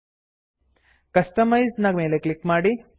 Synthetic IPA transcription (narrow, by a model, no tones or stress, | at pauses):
kɐsʈəmajznɐɡmeleklikmaɽi